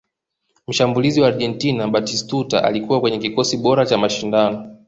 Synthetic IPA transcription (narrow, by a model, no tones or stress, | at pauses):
m̩ʃambuliziwaːɾʄɛntinaɓatistuta̰ʔa̰likuwakwɛɲɛkikɔsiɓɔɾat͡ʃamaʃindanɔ